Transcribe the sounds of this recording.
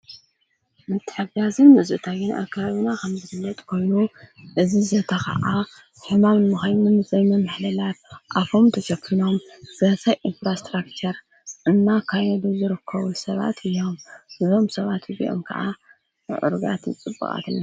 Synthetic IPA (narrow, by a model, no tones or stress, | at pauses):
mɨt̪ʰːɨ̥ħɨbazɨnmɨzʔɨt̪ʰajɨnʔa̰kʰːaβaβinakʰɐmzɨfɨlːɐt̪ʼkʰo̞jnuʔɨzizɐt̪ʰɐkɐ̰ʔa | ħɨmamnɨmɨxajmɨmɨzʼɐβmɨmɨħlɐlat̪̚ʔafʰo̞mt̪ʰɐʃɐkʰːino̞mz̥ɐsɐjʔinfɾast̪ɾakt͡ʃʰɐɾ | ɨnːakʰajɛd̪uzɨɾɨkʰːɐβusɐβa̰t̪ʰɨjːo̞mɨzo̞msɐβat̪ɨzḭʔo̞̰mkʰɐ̰ʔa̰ | ʕɨ̰ɾɡa̰t̪ʰnɨt͡sʼɨbːɨ̰ɣʼa̰t̪ʰɨnːa